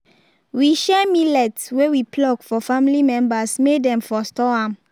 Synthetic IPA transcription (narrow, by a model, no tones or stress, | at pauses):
wiʃɛmilɛtswewiplɔɡfɔfãmilimɛ̃mbasmedɛ̃mfɔstɔãm